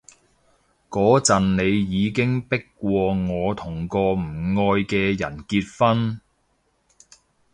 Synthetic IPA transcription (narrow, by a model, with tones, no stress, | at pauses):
kɔː˨˥t͡sɐ˨nne˨˧jjiː˨˧kɪ˥ŋpɪ˥kːʷɔː˧ŋɔː˨˧t̪ʰʊ˨˩ŋkɔː˧m̩˨˩ŋɔː˧jkɛː˧jɐ˨˩nkiː˧t̚fɐ˥n